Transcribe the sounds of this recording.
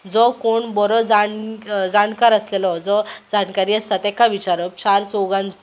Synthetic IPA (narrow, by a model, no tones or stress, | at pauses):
d͡zɔkoɳbɔɾɔd͡zand͡zankaɾəslelɔd͡zɔd͡zankaɾiːəst̪at̪ɛkaʋit͡ɕaɾəp̚t͡ɕaɾt͡soɡãnd͡z